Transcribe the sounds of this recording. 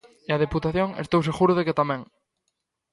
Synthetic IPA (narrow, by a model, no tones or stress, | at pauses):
eað̞eput̪aθjoŋest̪owseɣuɾʊðeket̪amẽŋ